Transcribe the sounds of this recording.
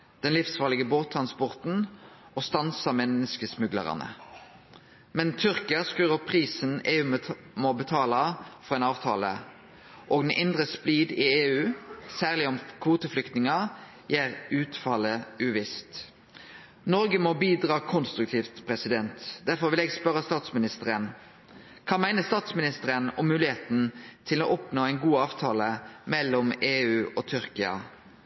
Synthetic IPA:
d̪̥ɛnlɪfsfɑːʁlɪɡəboːt̪ʰːɾʁɑnspɔʁt̪n̩ʔɔst̪ɑnsɑmɛnəskəsmʉɡlə̰ʁɑ̰nə̰ | mɛnt̪ʰʏʁkɪəskʉːʁəpʰʁiːsəneːʉː | mɔbət̪ʰɑːlɑfɔʁɛːnɑːʋt̪ʰɑ̰ːlə̰ | ʔɔːɡd̪nʔɪnd̪ʁəspliːd̪ɪeːʉːsæːʁlɪɔmkʰʋuːt̪əflʏkt̪nɪŋɑ | jæːʁʉːt̪fɑləʉʋɪst̪ | nɔɾɡəmɔbiːd̪ʁɑːkʰɔnst̪ɾʉkt̪ʰiːft̪pʰʁɛsɪd̪ɛnt̪d̪æʁfɔʁʋɪlɛːɡspœɾəst̪ɑːt̪smɪnɪst̪əɾən | kʰɑːmæɪnəst̪ɑːt̪smɪnɪst̪əʁɾənɔmːʉːlɪheːt̪n̩t̪ʰɪlo̰ːʔɔpnoːæɪnɡuːɑːʋt̪ʰɑːləmɛlːɔmeːʉːʔɔt̪ʰʏʁkɪɑ̰

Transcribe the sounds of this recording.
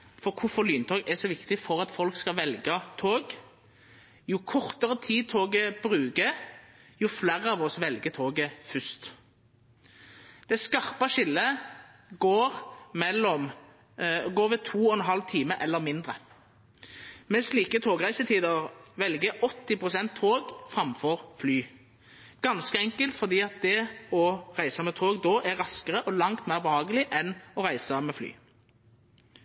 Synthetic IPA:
fɔʁkʰʊfɔlyːnt̪ʰɔːɡɛsɔʋɪkt̪ɪfɔʁɑt̪fɔlkskɑʋɛlɡɑt̪ʰoːɡ | jʊkʰɔʁt̪əʁət̪ʰiːd̪̚t̪ʰoːɡəb̥ʁʉːɡəjʊflæːʁəɑːʋɔsʋɛlɡət̪ʰoːɡəfʉst̪ | d̪̥ɛskɑʁpɑʃɪlːə | ɡoːʁmɛlːɔm | ɡoːʁʋɛt̪ʰuːɔɛnɦɑlt̪ʰiːməʔɛlːəʁmɪnd̪ʁə | mɛsliːkət̪ʰoːɡʁæɪsət̪ʰiːd̪əʁʋɛlɡəʔɔt̪ːɪpʰʁʊsɛnt̪ʰːoːɡfʁɑmfɔʁflyː | ɡ̥ɑnskəɛŋkəlt̪fɔʁd̪iːɑt̪̚d̪ɛɔʁæɪsəmɛt̪ʰoːɡd̪oːʔæʁɑskəʁəʔɔlɑŋt̪mæʁbəhɑːɡəlɪʔɛnɔʁæɪsəmɛːfly̰ː

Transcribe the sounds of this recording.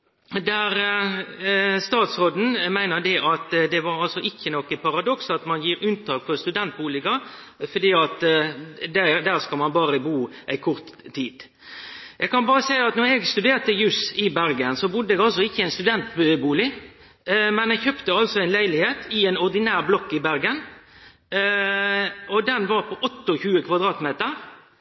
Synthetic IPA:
d̪æɾ | st̪ɑːt̪sɾoːd̪n̩mæɪnəd̪ɛʔɑt̪d̪ɛʋɑɾɑlsɔʔɪçːənɔkːəpɑɾɑd̪ɔksɑt̪mɑnjiːɾʉnt̪ʰɑːk̚fʰɔst̪ʉd̪ɛnt̪̚buːlɪɡɑ | fɔd̪iːɑt̪ | d̪æd̪æʁskɑlmɑnbɑːɾəbuːʔæɪkʰʊɾt̪ʰːiːd̪̥ | jʔɛɡkʰɑnbɑːɾəsæɪɑt̪nɔɾɛɡst̪ʉd̪eːɾt̪əjʉːsɪbæɾɡənsɔbʊd̪ːəɛɡɑls̬ɔɪçːəæɪnst̪ʉd̪ɛnt̪bøbuːlɪ | mɛnɛɡçœpt̪əɑlsɔæɪnlæɪlɪheːt̪ʰɪɛɪnɔʁd̪ɪnæːɾblɔkːɪbæɾɡən | ɔd̪ɛnʋɑɾpʰɔʔɔt̪ːɔçʉːəkʰʋɑd̪ɾɑːt̪meːt̪əɾ

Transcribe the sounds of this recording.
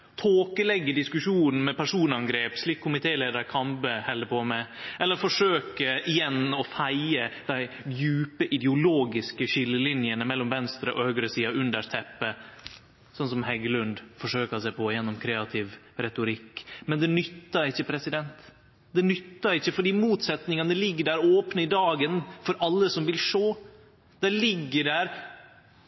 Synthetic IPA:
t̪ʰoːkəlɛɡːəɖɪskʉʂuːnn̩mɛpæʂuːnɑŋɡɾeːpʂɭiːkʰːʊmɪt̪ʰeːleːd̪əɾkʰɑmpəhɛləpʰɔmɛʔɛlːəɾfɔʂøːkəɪjɛnːɔfæɪəd̪̥æɪ | jʉːpəʔɪd̪ɛʊloːɡɪskəɕɪlːəlɪnjənəmɛlːɔmʋɛnst̪ɾəʔɔhœɡɾəsiːɑʉnd̪əʂt̪ʰɛpːə | sɔnsɔmhɛɡəlʉnd̪fɔʂøːkəsɛpʰɔjɛnːɔmkʰɾeːɑt̪ʰɪʋ | ɾɛt̪ʊɾɪkːmɛnd̪ɛnʏt̪ːɑɾɪçːəpʰɾɛsɪd̪ɛnt̪ | d̪̥ɛnʏt̪ːɑɾɪçːəfɔɖiːmuːt̪sɛt̪nɪŋɑnəlɪɡːəɖæɾoːpnəɪd̪ɑːɡənfɔɾʔɑlːəsɔmʋɪlʂoː | d̪̥ɛlɪɡːəɖæːɾ

